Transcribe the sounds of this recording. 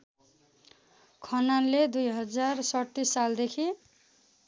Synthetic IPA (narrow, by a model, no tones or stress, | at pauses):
kʰʌnanled̪ujɦʌd͡zarsʌt̪ːisːald̪ekʰi